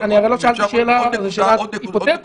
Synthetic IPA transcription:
aniaʁeloʃealt̪iʃeːlazeʃeːlaipot̪et̪

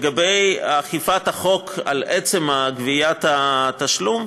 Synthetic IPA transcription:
ɡabejaχifathaχo̞kʰa̰lʔet͡se̞maɡvijat̪at̪aʃlum

